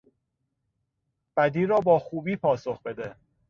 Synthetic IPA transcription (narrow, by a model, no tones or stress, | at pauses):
b̥æd̪iːɾɒːbɒːxuːbiːpʰɒːso̞xbe̞d̪e